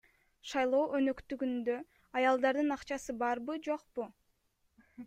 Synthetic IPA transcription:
ʃɑjlˠo̞ːʔønøkt̪yɡynd̪ø̞ | ɑjɑlˠd̪ɑɾd̪ɯnɑqt͡ʃɑsɯbɑɾbɯd͡ʒo̞qpu

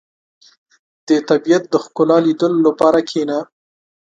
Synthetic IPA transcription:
d̪̥ət̪abijat̪̚d̪əxkʊlɑlid̪əlolapɑɾakʰena

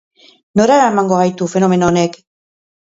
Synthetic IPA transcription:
noɾaɾaemaŋɡoɣajt̪ufe̞no̞me̞noone̞k

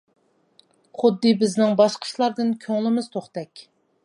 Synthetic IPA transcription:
χʊd̪ːɨbɪznɪŋbɑʃqʰə̥ʃlˠɑɾd̪ɨnkʲʰøŋlɪmɪz̥t̪ʰoχt̪ɛkʲ

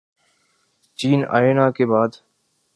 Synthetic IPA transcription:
t͡ʃiːna̰ːeːnãːkeːbaːd̪

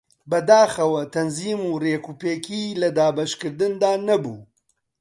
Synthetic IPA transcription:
bɐd̪aːxɐwɐt̪ʰɐnziːmuːreːkuːpeːkʰiːlɐd̪aːbɐʃkɨɾd̪ɨnd̪aːnɐbṵː

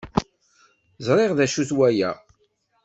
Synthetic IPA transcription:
zˤɾˤeʁðæʃuθwæjæ̰

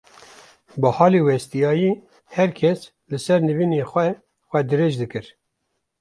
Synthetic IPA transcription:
bɨhɑːlewɛst̪ijɑːjiː | hɛɾkʰɛs | lɨsɛɾnɨviːnexʷɛ | xʷɛd̪ɨɾeːʒd̪ɨkɨɾ

